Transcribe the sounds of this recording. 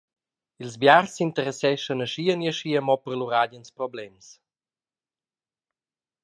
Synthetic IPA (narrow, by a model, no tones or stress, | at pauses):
ilzbjarsint̪əɾɛsɛʃənəʃiəniəʃiəmɔpərluɾadənspɾɔblɛms